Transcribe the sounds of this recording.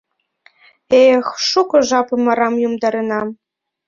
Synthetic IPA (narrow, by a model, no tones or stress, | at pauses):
exʃukɤ̆ʒɑpɤ̆mɑɾɑmjumd̪ɑɾɤ̆nɑm